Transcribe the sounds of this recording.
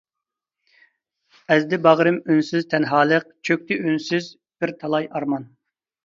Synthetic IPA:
ɛzd̪ɪbɑʁɾɨmynsyzt̪ʰɛnɦɑːlˠəq̚t͡ʃʰøk̚ʲt̪ʰɪynsyz | b̥ɪɾt̪ʰɑlˠɑjɑɾmɑn

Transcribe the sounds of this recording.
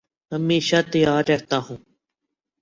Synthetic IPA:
ɦəmeːʃaːt̪əjaːɾːəɦt̪aːɦũː

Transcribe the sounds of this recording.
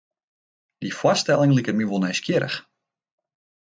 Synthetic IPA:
d̥ifwɔstɛlˠɪŋlikət̚miʋolˠnɛjskjɪɾə̰x

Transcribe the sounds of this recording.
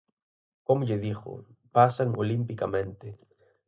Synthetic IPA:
komʊʎeðixo̰pasaŋolimpikamẽnt̪e

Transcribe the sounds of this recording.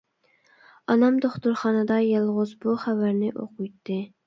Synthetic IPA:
ɑnɑmd̪oχt̪uɾχɑnɨd̪ɑjɑlˠʁʊzbuχævæɾnɪʔo̰qujt̪ʰːɨ

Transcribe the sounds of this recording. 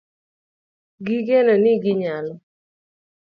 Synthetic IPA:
ɡiɡɛnɔnɪɡɪɲalɔ

